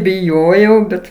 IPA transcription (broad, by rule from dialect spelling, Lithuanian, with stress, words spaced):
bʲɪˈjoːjɛʊ ˈbʲɛt